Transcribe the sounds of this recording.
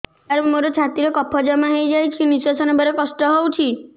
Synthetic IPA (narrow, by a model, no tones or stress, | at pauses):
aɾmoɾɔt͡ʃʰat̪iɾekɔpʰɔd͡ʒamaɦejd͡ʒajt͡ʃʰinisasɔnɔbʱɔɾekɔsʈɔɦowt͡ʃʰi